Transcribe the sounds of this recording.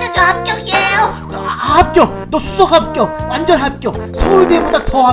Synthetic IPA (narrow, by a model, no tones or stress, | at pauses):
ad͡ʑoɦap̚k͈jʌŋiejo | ahap̚k͈jʌ | nʌsʰus͈ʰʌkap̚k͈jʌk̚wand͡ʑʌnɦap̚k͈jʌsʰʌuɭdiebodatʌɦa